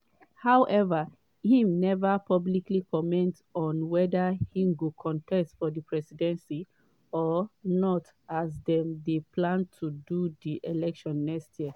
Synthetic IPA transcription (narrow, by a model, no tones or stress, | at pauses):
hawʔɛva | hĩmnɛvapʰɔbliklikɔmɛ̃nt | ɔ̃nwɛdahĩmɡokʰɔ̃ntʰɛstfɔdipʰɹɛsidɛ̃nsi | ɔnɔt | azdɛ̃mdepʰlãntʰududiʔelɛkʃɔ̃nːɛkstʰjiə